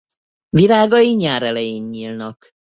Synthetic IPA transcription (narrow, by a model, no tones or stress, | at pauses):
vilaːɡɒjiɲaːɾɛlɛjeɲːiːlnɒk